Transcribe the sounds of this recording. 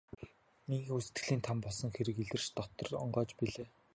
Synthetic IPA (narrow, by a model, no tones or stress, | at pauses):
niɣŋusɘ̥t̪ɡɘ̆ɮiːnt̪ʰampɔɮsɞ̆ŋxeɾɘ̆kiɮɘ̆rt͡ɕt̪ɔt̪ɞ̆rɔɴɢɔːt͡ɕpiɮeː